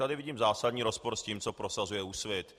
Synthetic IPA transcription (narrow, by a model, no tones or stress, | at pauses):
t̪adɪvɪɟiːmzaːsad̪ɲiːɾo̞spo̞ɾsciːmt͡so̞pɾosazujɛusvjɛt̪